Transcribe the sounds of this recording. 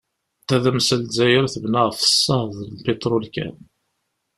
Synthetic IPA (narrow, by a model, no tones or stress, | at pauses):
θæðæmsəlzæjəɾθəbnəʁfə̥sːəðˤlpet̪ɾulkæ̰n